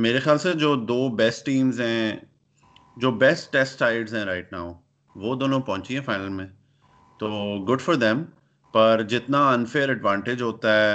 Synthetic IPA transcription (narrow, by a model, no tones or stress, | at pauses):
meːɾexjaːlsed͡ʒoːd̪oːbɛsʈːĩːmzɦɛ̃ | d͡ʒoːbɛsʈːɛsʈaɪɖzɦɛ̃ɾaːɪʈ̚naːʊ | ʋoːd̪oːnõpɐɦʊ̃t͡ʃiɦɛ̃faɪnəlmẽ | t̪oːɡʊɖfɔɾd̪ɛ̃m | pɐɾd͡ʒɪt̪naɐ̃nfeːəɾəɖʋãːɳʈɪd͡ʒɦoːt̪aɦɛ